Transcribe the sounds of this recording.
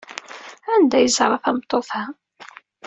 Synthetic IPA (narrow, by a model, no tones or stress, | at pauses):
ænd̪æjəzɾˤɑfæmt̪ˤːoθhæ